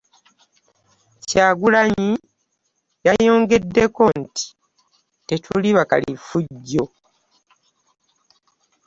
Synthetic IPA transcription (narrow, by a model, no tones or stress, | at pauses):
caːɡulaɲi | jajo̞ːŋɡe̞dːe̞ko̞nti̥ | te̞tʰuliβaka̰lḭfuɟːo̞